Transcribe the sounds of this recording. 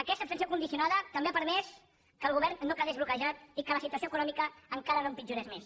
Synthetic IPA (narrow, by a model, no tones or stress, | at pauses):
əkɛst̪əpst̪nsiokund̪isiunaðət̪əmbeapəɾmɛs | kəːlˠɣuβɛɾnːokəɣezβlukəʒat̪̚ikələsit̪uəsioəkunɔmikəːŋkaɾənompid͡ʒuɾɛzmes